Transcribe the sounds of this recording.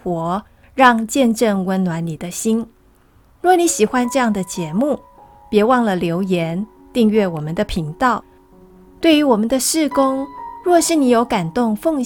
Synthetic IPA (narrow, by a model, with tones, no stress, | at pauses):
wɔ˧˥ | ɻɑ˥˧ŋt͡ɕjɛ˥˧nʈ͡ʂɤ˥˩ŋwə˧˥nnwa˧˥nni˨˩d̪ə˦ɕi˥n | ɻwɔ˥˩ni˧˥ɕi˨˩xwa˦nʈ͡ʂɤ˥˧jɑ˥˩ŋd̪ə˩t͡ɕjɛ˧˥mu˥˩ | pjɛ˧˥wɑ˥˩ŋlə˩ljo˧˥ʊjɛ˧˥n | t̪i˥˧ŋɥɛ˥˩wɔ˨˩mə˦nd̪ə˨pʰi˧˥ŋt̪ɑ˥˩ʊ | t̪we˥˩ɪy˧˥wɔ˨˩mə˦nd̪ə˧ʂɻ̩˥˩kʊ˥ŋɻwɔ˥˧ʂɻ̩˥˩ni˧˥jo˧˥ʊka˨˩nt̪ʊ˥˧ŋfɤ˥˧ŋ